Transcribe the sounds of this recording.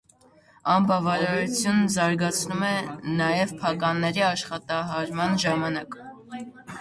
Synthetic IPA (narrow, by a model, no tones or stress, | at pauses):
ɑmbɑvɑɾɑɾut͡sʰjunzɑɾɡɑt͡sʰnumɛnɑjɛvpʰɑkɑnːɛɾiɑʃχɑt̪ɑɦɑɾmɑnʒɑmɑnɑk